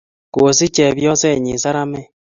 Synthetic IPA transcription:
ko˨si˦t͡ʃɛ˨βjɔ˦sɛ˦˨ɲi˨sa˦ɾa˦mɛ˦

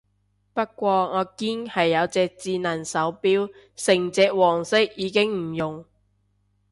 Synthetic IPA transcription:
pɐ˥t̚kːʷɔː˧ŋɔː˨˧kiː˥nhɐ˨jːɐ˨˧wt͡sɛː˧k̚t͡siː˧nɐː˨˩nsɐ˨˥wpiː˥w | sɪ˨˩ŋt͡sɛː˧k̚wɔː˨˩ŋsɪ˥k̚jiː˨˧kɪ˥ŋm̩˨˩jʊ˨ŋ

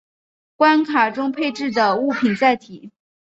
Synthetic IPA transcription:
kwa˥nkʰa˨˩ʈ͡ʂʊ˥ŋpʰe˥˧ɪʈ͡ʂɻ̩˥˩d̪ə˩u˥˩pʰi˨˩nt͡sa˥˩ɪt̪ʰi˨˩˦

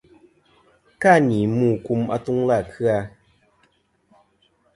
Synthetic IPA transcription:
ka˦˨ni˨muː˦˨ku˧˦ma̰˧tu˦ŋla˦˨kʰɨ˦a˧

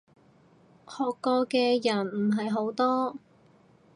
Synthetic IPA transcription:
hɔː˨kːɔː˧kɛː˧jɐ˨˩nm̩˨˩ɦɐ˨jɦo˨˥wt̪ɔː˥

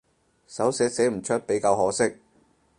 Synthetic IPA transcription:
sɐ˨˥wsɛː˨˥se˨˥m̩˨˩t͡ʃʰɵ˥t̚pe˨˥jkaː˧whɔː˨˥sɪ˥k̚

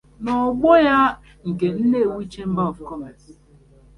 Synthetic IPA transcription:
nɔ˨ɡ͡bɔ˦ja˦ | ŋ̩˨ke˨n̩˦ne˦˨wi˦t͡ʃe˦m̩˦ba˦ɔ˨fu˨kɔ˦ma˨ti˨

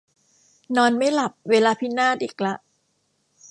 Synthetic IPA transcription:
nɔː˧nma˥˩jla˨˩p̚weː˧laː˧pʰi˦˥naː˥˩t̪ʔiː˨˩k̚la˦˥ʔ

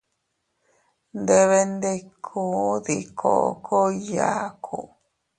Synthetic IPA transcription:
nd̪e˧βe˧nd̪e˧kʰuː˦ði˨kʰo̰˨˧˨kʰo˦ja˨kʰu˨

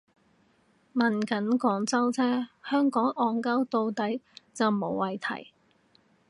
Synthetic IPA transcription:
mɐ˨nkɐ˨˥nkɔː˨˥ŋt͡sɐ˥wt͡sʰɛː˥hœː˥ŋkɔː˨˥ŋɔː˨˧ŋkɐ˥wt̪o˧wt̪ɐ˨˥jt͡sɐ˨wmo˨˧˥wwɐ˨jt̪ʰɐ̰˨˩j

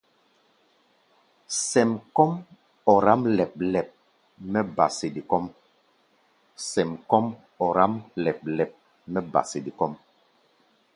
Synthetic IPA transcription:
sɛ˨mkɔ˦m | ɔ˨ɾa˦mlɛ˨p̚lɛ˨p̚ | mɛ˦ba̰˨se˨di˨kɔ˦m | sɛ˨mkɔ˦m | ɔ˨ɾa˦mlɛ˨p̚lɛ˨p̚ | mɛ˦ba̰˨se˨di˨kɔ˦m

